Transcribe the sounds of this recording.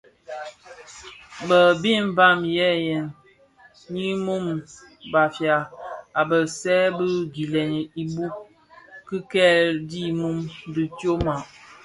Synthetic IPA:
bə˨bi˦m˦ba˦˨mjɛ˦jɛ˨n | ɲi˦mu˦m | ba˨fja˨a˨bə˨sɛ˦bə˦ɡi˨lɛ˨n˨i˨bu˦ | ki˦kɛ˦˨ldi˦mu˦mdi˦tjo˦ma˨

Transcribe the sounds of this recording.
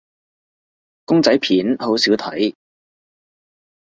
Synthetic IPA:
kʊ˥ŋt͡sɐ˨˥jpʰiː˨˥nho˨˥wsiː˨˥wt̪ʰɐ̰˨˥j

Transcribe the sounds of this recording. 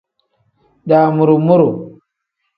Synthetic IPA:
ɗa˨mu˨ɾu˨mu˦ɾu˨

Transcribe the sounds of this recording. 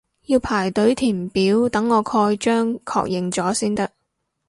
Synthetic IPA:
jiː˧wpʰaː˨˩jt̪ɵ˨˥ɥt̪ʰiː˨˩mpiː˨˥wt̪ɐ˨˥ŋːɔː˨˧kʰɔː˧jt͡ʃœː˥ŋkʰɔ̰ː˧k̚jɪ˨ŋt͡sɔː˨˥siː˥nt̪ɐ˥k̚

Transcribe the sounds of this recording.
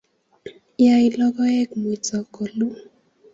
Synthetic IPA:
ja˦i˦˨lɔ˦ɡɔ˦ɛ˦kmu˨t͡sɔ˨kɔ˨lu˦

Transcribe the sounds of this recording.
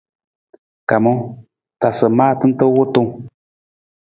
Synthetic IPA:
ka˨mo˦ | ta˨sə˨maː˦tɨ˦n̩˦tə˦wʊ˦tu˦ŋ

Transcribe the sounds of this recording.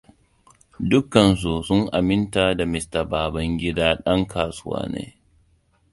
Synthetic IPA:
dʊ˦kɐ˨ns̬u˨sʊ˦ŋʔa˨mɪ˦ntaː˨da˨mɪ˨sta˨baː˨bɐ˦ŋɡʲɪ˦daː˦ɗɐ˦ŋkʰaː˨sʊ˦wa̰ː˦nḛː˦

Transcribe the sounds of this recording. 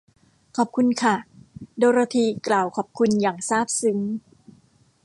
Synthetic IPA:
kʰɔː˨˩p̚kʰu˧nkʰa˥˩doː˧ɾa˧t̪ʰiː˧klaː˨˩wkʰɔː˨˩p̚kʰu˧njaː˨˩ŋsaː˥˩p̚sɯ˩˦ŋ

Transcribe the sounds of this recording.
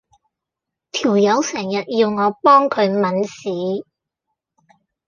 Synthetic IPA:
t̪ʰiː˨˩wjɐ˨˧˥wsɛː˨˩ŋjɐ˨t̚jiː˧wŋɔː˨˧pɔː˥ŋkʰɵ˨˧ɥmɐ˨˥nsiː˨˥

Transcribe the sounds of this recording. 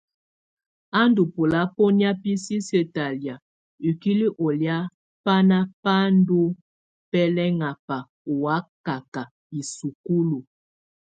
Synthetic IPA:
a˦ndu˨po˨la˦po˦nja˦pi˦si˦sə˦ta˨lja˨ | i˨ki˦li˦ʔo˨lja˦ | pa˦na˦pa˦n˦du˦ | pɛ˦lɛ˦ŋa˨pa˨ | u˨wa˦ka˨ka˨ | i˨su˨ku˦lu˨

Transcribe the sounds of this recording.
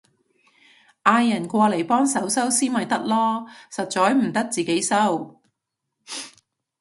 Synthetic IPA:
ʔaː˧jːɐ˨˩nkʷɔː˧le˨˩jpɔː˥ŋsɐ˨˥wsɐ˥wsiː˥nmɐ˨jt̪ɐ˥k̚lɔː˥sɐ˨t̚t͡sɔː˨˥jm̩˨˩t̪ɐ˥k̚t͡siː˨ke˨˥jsɐ˥w

